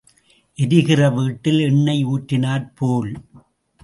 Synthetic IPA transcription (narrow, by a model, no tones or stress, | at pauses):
ʔɛðɯɣɪrɐʋiːʈːɪlɛɳːɐɪuːʈɾɪnaːɾpʰoːl